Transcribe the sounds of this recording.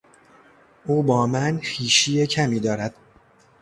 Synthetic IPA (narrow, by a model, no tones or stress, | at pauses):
ʔuːbɒːmænxiːʃiːjecʰæmiːd̪ɒːɾæd̪̥